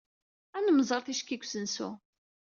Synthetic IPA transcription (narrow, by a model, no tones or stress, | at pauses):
ænəmzˤəɾˤθiʃkːikʷːsənsṵ